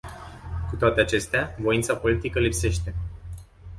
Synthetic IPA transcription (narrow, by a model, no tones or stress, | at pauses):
kut̪oat̪e̞at͡ʃe̞st̪eavo̞int̪sapo̞lit̪ikəlipse̞ʃt̪e̞